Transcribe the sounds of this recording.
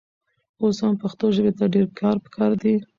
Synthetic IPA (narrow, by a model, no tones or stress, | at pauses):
oshampaxt̪oʒəbet̪aɖeɾkʰɑɾpə̥kʰɑɾd̪i